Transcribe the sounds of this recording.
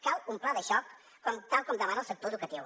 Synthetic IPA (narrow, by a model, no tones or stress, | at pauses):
kalumplaðəʃɔkː | ɔmt̪alˠkɔmd̪aβanalˠsək̚t̪oɾeðukɐt̪iw